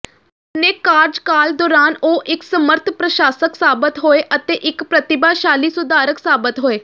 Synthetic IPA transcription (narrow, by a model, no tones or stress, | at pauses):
neːkaːɾd͡ʒkaːld̪ɔːɾaːnoːʔɪksəməɾt̪ʰpɾəʃaːsəksaːbət̪ɦoːeːʔət̪eːʔɪkpɾət̪ɪbaːʃaːliːsʊd̪ʱaːɾəksaːbət̪ɦoːeː